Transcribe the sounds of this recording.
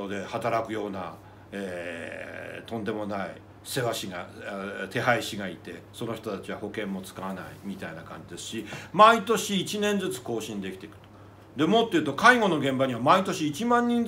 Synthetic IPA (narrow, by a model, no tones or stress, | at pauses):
od̪e̞hat̪aɾakɯ̟jo̞ːna̰ | eː | t̪õ̞nd̪e̞mo̞naḭ | se̞βaɕiɡa̰t̪e̞ɦaiɕiɡait̪e̞so̞no̞çʲi̥t̪o̞t̪at͡ɕiβ̞aho̞kẽ̞mːo̞t͡sɨ̥kaβana̰ḭmʲit̪ainakãɲ̟d͡ʑid̪e̞sɨ̥ɕimait̪o̞ɕiːt͡ɕinẽ̞nd͡zɨt͡sɨ̥ko̞ːɕĩnd̪e̞kʲit̪e̞kɯ̟̥t̪o̥ | d̪e̞mot̪ːeiɯ̟t̪o̞kaiŋo̞no̞ɡẽ̞mbaɲ̟iβamait̪oɕiːt͡ɕimãɲ̟ːĩn